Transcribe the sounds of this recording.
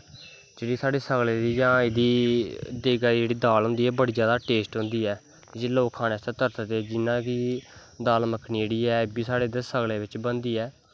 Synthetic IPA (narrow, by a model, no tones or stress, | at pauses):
d͡ʒeːɽiːsaːɖeːsəɡleːd̪iːd͡ʒãːɪd̪iːd̪eːɡad͡ʒeːɽiːd̪aːlɦʊ̃nd̪iːɛːbəɽiːd͡ʒjaːd̪aːʈeːsʈɦʊ̃nd̪iːɛː | d͡ʒeːloːkʰːaːneːst̪eːt̪əɾt̪ət̪eːd͡ʒɪnãːkiː | d̪aːlməkʰːniːd͡ʒeːɽiːɛːbiːsaːɽeːd̪esəɡleːʋɪt͡ʃbənd̪iːɛː